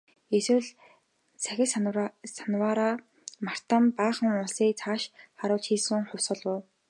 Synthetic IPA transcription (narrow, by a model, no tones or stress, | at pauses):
eswɘ̆wɮ | t͡sʰæxʲɪ̆ɮssanwaːɾaː | mar̥t̪ə̆mpaːχə̆ŋʊɮsiːk̚t͡sʰaːʃχaɾʊːɮt͡ɕxiːsɘ̆ŋχʊw̥sə̆ɮʊː